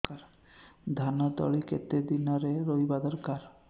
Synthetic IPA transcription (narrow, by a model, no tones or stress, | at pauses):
kaɾ | d̪ʱanɔd̪ɔ̰ɭikḛt̪ed̪inɔɾeɾojbad̪ɔɾkaɾ